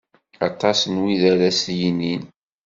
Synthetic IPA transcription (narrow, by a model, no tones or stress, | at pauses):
ɑt̪ˤːɑsnwiðæɾæsjinin